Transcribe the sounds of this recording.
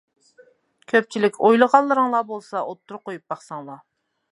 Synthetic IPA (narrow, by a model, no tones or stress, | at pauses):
kʲʰøp̚t͡ʃʰilɪkʲʰojlˠəʁɑlˠːɨɾɨŋlˠɑbolˠsɑʔot̪ːuɾʊqojup̚bɑχsɑŋlˠɑ